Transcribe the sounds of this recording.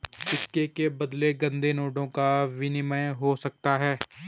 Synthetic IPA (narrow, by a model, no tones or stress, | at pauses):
sɪkːekebɐd̪leɡɐ̃nd̪ʱenoːɖõkaʋɪnɪməjɦosɐk̚t̪aɦɛː